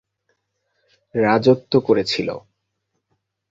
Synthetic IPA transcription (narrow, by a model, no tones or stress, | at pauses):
ɾad͡ʑot̪ːokoɾet͡ɕʰilo̰